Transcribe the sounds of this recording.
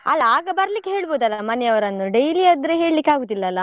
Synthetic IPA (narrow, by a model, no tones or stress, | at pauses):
ɐ̰lːɐaːɡɐbɐɾɐlikːeɦeːɭboːd̪ɐlːɐmɐnɛɐʋɐɾɐnːuɖejliɐd̪ɾeɦe̞ːɭlikːeaːɡoːd̪ilːɐːlːɐ